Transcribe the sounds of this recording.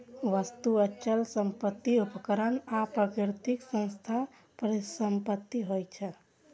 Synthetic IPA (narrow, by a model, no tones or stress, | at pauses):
ʋəst̪uət͡ʃəlsəmpət̪ːiupkəɾənapɾəkɾt̪iksə̃nst̪ʰa | pɾsəmpət̪ːiɦojt͡ʃʰə